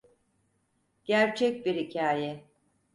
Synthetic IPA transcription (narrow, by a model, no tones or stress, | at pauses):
ɟ̥æɾt͡ʃʰɛc̚biɾhicʰaːjɛ